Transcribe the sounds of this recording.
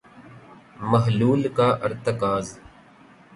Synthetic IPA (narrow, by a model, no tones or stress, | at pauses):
mɐɦluːlkaːʔəɾt̪əkaːz